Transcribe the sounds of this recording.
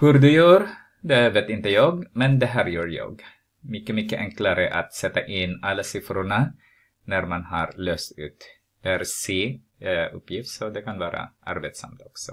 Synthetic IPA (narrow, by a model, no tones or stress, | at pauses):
hʉɾd̪ʉjʉːɾ | d̪ɛveːt̪ɪnt̪əjɑːɡmɛnd̪ɛɦæːɾjʉːɾjɑ̰ːɡ | mʏkːəmʏkːəʔɛŋklaɾəʔat̪sɛt̪ːaʔɪnalːasɪfɾʊɳa | næɾmanhaɾløːst̪ʉ̰ːt̪ | d̪̥ɛæɾseː | ɵpːjɪft̪sɔd̪ɛkʰanvɑːɾa̰ʔa̰ɾbeːt̪sa̰mt̪ɔksɔ